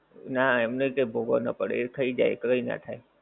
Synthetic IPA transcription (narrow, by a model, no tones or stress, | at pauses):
naɛmnekebʱoɡo̰nə̰pəɽḛet̪ʰəid͡ʒa̰jkəɾəina̰t̪ʰae